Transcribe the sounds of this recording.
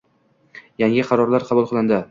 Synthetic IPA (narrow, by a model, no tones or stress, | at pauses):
jaŋɪqʰɑɾɒɾlaɾqʰɑbʊlˠqʰɨlˠɪnd̪ɪ